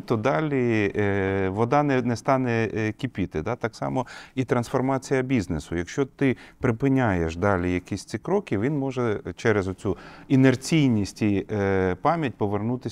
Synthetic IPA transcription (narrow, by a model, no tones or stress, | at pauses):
t̪ɔd̪ɑlʲi | ʋɔd̪ɑnɛnɛst̪ɑnɛkʲipʲit̪ɪd̪ɑt̪ɑksɑ̰mɔit̪ɾɐnsfɔrmɑt͡sʲijɐbʲiznesʊjɐkʃt͡ʃɔt̪ɪpɾɪpɪnʲajeʃd̪ɑlʲijɐkʲisʲt͡s̪ʲikɾɔkʲɪʋʲinmɔʒɛt͡ʃɛɾezɔt͡sʲuinert͡sʲijnʲisʲtʲipɑmʲjɐt̚ʲpɔʋernut̪ɪ